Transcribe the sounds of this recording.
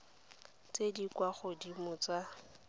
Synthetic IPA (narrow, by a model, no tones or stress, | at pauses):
t͡sedikwaχʊdimʊt͡sa